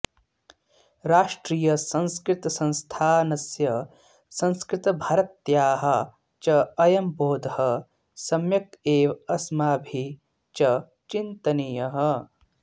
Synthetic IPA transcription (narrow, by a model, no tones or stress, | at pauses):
ɾaːʂʈɾiːjɐsɐ̃ñskɾɪt̪ɐsɐ̃ñst̪ʰaːnɐsjɐ | sɐ̃nskɾɪt̪ɐbʱɐɾɐt̪jaːɦɐ | t͡ʃɐɐjɐmboːd̪ʱɐhɐ | sɐmjɐkeːʋɐsmaːbʱi | t͡ʃɐ | t͡ʃint̪ɐnijɐɦɐ